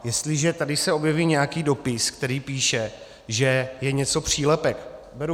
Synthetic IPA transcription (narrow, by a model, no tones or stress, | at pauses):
jɛst̪lɪʒɛt̪adɪsɛo̞bjɛviːɲɛjakiːdo̞pɪskt̪ɛɾiːpiːʃɛ | ʒɛjɛɲɛt͡so̞pr̝̥iːlɛpɛk | bɛɾu